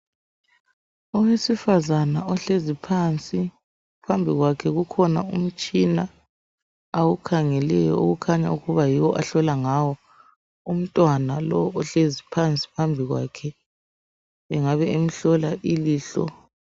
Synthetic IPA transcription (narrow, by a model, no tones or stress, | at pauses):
ɔwesifazanaɔɬezipʰant͡sʼi | pʰambʱiɣwakʰɛɣukʰɔna̰um̩t͡ʃʼina | awukʰaŋɛlɛjɔ̰uɣukʰaɲa̰uɣuβajiwɔʔaɬɔlaŋawɔ | um̩tʼwanalɔwʔɔɬezipʰant͡sʼi̥pʰambʱiɣwa̰kʰɛ | βɛŋaβɛem̩ɬɔlaʔiliːɬɔ̰